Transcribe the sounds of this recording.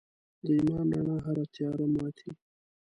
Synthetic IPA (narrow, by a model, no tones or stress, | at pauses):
d̪əimɑːnɾa̰ɳaɦaɾat̪ʰjɑɾamɑt̪ʰi